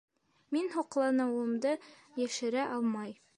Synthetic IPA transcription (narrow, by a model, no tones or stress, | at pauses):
minhuqlˠɑnɤ̆wɤ̆md̪ɤ | jæʃɘ̆ɾæʔɒlˠmɑj